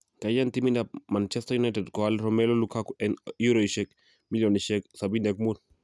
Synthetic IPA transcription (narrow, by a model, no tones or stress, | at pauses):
kajantiminap̚mant͡ʃɛstajunajtɛdkɔalɾɔmɛlolukakuɛnjuɾoiʃɛk | miljɔniʃɛksabinɛkmul